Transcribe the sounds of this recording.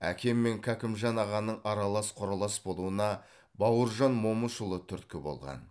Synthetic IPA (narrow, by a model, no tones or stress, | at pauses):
æ̰kʲe̞mːe̞ŋkʲʰækʲɪmʒɑnɑʁɑnːəɴɑɾɑlˠɑsqʰoɾɑlˠɑsbo̞lˠuənɑ | bɑwəɾʒɑnmo̞məʃəlˠət̪ʰʏɾt̪kʲɪbo̞̰lˠʁɑ̰n